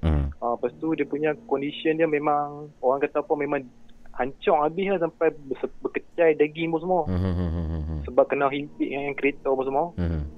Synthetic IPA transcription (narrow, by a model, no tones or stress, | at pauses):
apast̪udiapuɲãkɔndisiəndiamemãŋoɾaŋkat̪apɔmẽmãŋhaɲt͡ʃɔŋabɪhlahs̬ampajbəsəbəkət͡ʃajdaɡibɔs̬əmɔ | səbap̚kənaɦinp̪ɪʔŋajaŋkɾiet̪ɔpɔsmuɔ